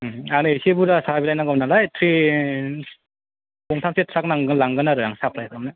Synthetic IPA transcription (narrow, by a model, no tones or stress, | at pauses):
anɯesebuɾasabilajnaɡɔmnalajtʰɾi | bɔŋtʰamsetʰɾak̚naŋɡɯlaŋɡɯnaɾɯɾaŋsap̚ʰɾajkamna